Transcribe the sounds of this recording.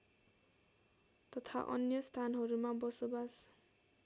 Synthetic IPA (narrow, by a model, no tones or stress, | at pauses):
t̪ʌt̪ʰa̰ʔʌ̰njʌst̪ʰanɦʌɾumabʌsobas